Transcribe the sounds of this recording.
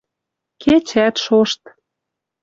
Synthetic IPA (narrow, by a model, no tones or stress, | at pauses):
ket͡ɕæt̪ʃoʃt̪